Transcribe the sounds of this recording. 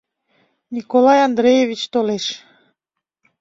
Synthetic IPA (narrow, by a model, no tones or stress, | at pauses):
nʲikolɑjɑnd̪ɾejevit͡ɕt̪oleʃ